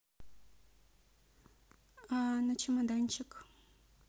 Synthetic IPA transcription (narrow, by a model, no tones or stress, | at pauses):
anat͡ʃɪmad̪ant͡ʃɪk